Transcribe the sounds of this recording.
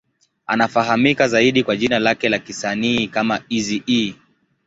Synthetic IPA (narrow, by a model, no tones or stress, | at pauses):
a̰nafaɦamikazaiɗikwaʄinalakɛlakisaniːkamaizii